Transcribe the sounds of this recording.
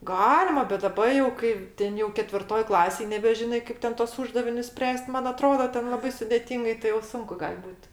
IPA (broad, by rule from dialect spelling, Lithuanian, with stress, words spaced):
ˈɡɑːlʲɪmɐ bʲɛt dɐˈbɐ jɛʊ ˈkɐɪ ˈtʲɛn jɛʊ kʲɛtʲʋʲɪrˈtoːj ˈklˠɑːsʲeːj nʲɛbʲɛˈʒʲɪnɐɪ ˈkɐɪp tʲɛn tuɔs ˈuːʒdɐʋʲɪnʲʊs ˈsʲpʲrʲæːsʲtʲ ˈmɐn ɐˈtroːdɐ ˈtʲɛn lˠɐˈbɐɪ sʊdʲeːˈtʲiːŋɡɐɪ tɐɪ jɛʊ ˈsʊŋkʊ ˈɡɐlʲ ˈbuːt